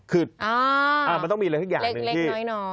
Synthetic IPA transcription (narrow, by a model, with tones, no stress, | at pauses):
kʰɯ˨˩t̪̚ʔaː˧˩ʔaː˨˩ma˧t̪ɔ˥˩miː˧laː˧k̪ʰa˦˥˩jaː˨˧˩nɯ˨˧˦t̪ʰiː˥˩˨nɔ˧˩